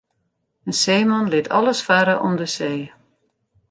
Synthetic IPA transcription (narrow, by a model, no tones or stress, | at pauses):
ənseːmɑnlɪtʰɑ̰lˠəsfaɾəʔɔmdəseː